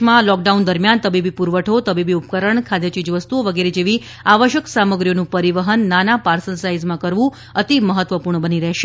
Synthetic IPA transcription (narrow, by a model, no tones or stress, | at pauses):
mãlɔk̚ɖaund̪əɾmjant̪əbibipuɾʋəʈʰot̪əbibiupkəɾəɳkʰad̪jət͡ʃid͡ʒʋəst̪uoʋəɡeɾed͡ʒeʋi | aʋəʃjəksaməɡɾijonũpəɾiʋəɦənːanapaɾsəlsaizmãkəɾʋũ | ət̪iməɦət̪ʋəpuɾɳəbəniɾɛɦʃe